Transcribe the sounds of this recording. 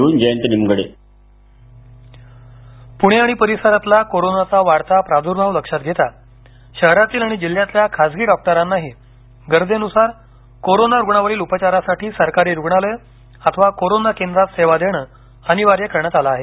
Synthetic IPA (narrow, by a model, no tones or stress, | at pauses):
uːnd͡ʑəjənt̪ənimɡɽe | puɽ̃eaɽ̃ipəɾisəɾat̪lakoɾonat͡saʋaɽt̪apɾad̪ʱuɾbʱaʋləkʂat̪̚ɡʱet̪a | ɕəɦɾat̪iːlaɽ̃id͡ʑil̤ːjat̪ljakʰad͡zɡiːɖɔk̚ʈəɾanːaɦiː | ɡəɾd͡zenusaɾ | koɾonaɾuɡɳaʋəɾiːlupət͡ɕaɾasaʈiːsəɾkaɾiːɾuɡɳaləj | at̪ʰəʋakoɾonakend̪ɾat̪seʋad̪eɳ̃ə | aɽ̃iʋaɾjakəɾɳjat̪alaːɦe